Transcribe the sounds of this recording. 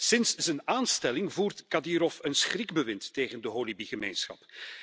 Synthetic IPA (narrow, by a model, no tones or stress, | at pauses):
sɪnszənaːnstɛlɪŋvuːrtkadiɾɔfənsχrɪɡbəʋɪntːeːɣəndəɦoːlibiɣəmḛːnsxɑ̰p